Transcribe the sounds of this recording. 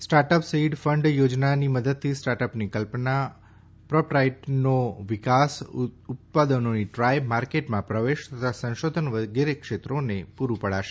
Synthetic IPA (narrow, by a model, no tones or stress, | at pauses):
sʈaɾʈəpsiɖfəɳɖjod͡ʒnaniməd̪əd̪̚t̪ʰisʈaɾʈəpnikəlpna | pɾɔpɾaiʈnoʋɪkasʊt̪̚pad̪ənoniʈɾajmaɾkeʈmãpɾəʋeʃt̪ət̪ʰasə̃ʃod̪ʱənʋəɡeɾekʃet̪ɾonepuɾupəɽaʃe